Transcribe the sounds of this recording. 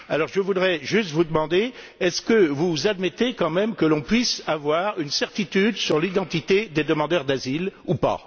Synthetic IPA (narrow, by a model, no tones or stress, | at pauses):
alɔʁʒəvud̪ʁɛʒyst̪vud̪əmɑ̃d̪e | ɛskəvuzad̪mɛt̪ekɑ̃mɛmkəlɔ̃pɥisavwaʁynsɛʁt̪it̪yd̪syʁlid̪ɑ̃t̪it̪ed̪ed̪əmɑ̃d̪œʁd̪azilupa̰